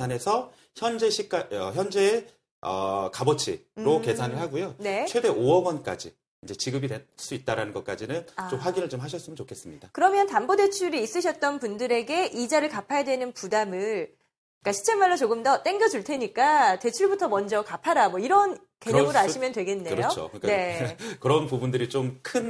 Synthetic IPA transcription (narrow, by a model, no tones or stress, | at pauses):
ane̞sʰʌ | çjʌnd͡ʑeɕʰik͈aʌçjʌnd͡ʑe̞ː | ʌ̰kabʌt͡ɕʰḭɾoke̞sʰanɯɭɦaɡujone̞t͡ɕʰwe̞de̞ʔoʌɡwʌnk͈a̰d͡ʑi | ind͡ʑe̞t͡ɕiɡɯbides͈uit̚t͈aɾanɯnɡʌt̚k͈ad͡ʑinɯnat͡ɕomɸwaɡinɯɭt͡ɕomɦaɕʰʌs͈ɯmənt͡ɕokʰe̞s͈ɯmɲidakɯɾʌmjʌntambode̞t͡ɕʰuɾiːs͈ɯɕʰʌt̚t͈ʌnpundɯɾe̞ɡe̞ʔid͡ʑaɾɯɭkapʰajadwe̞nɯnpudamɯɭ | k͈aɕʰi̥t͡ɕʰemːaɭːot͡ɕoɡɯmdʌt͈e̞ŋɡjʌd͡ʑuɭtʰe̞ɲik͈ate̞t͡ɕʰuɭbutʰʌmʌnd͡ʑʌkapʰaɾamwʌiɾʌn | ke̞ɲʌɡɯɾaɕʰimjʌndwe̞ɡe̞nːe̞ɯɾʌjoo̰kne̞kɯɾʌnpubundɯɾit͡ɕomkʰɯn